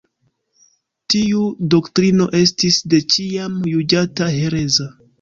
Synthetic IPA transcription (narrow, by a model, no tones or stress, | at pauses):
tiudoktɾino̞ʔe̞s̬tisde̞t͡ʃiamjud͡ʒataɦe̞ɾe̞za